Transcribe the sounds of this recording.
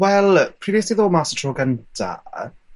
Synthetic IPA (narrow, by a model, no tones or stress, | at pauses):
wɛlˠpʰr̥iːviəsliðoːmasə̥tʰrɔɡəntʰa̰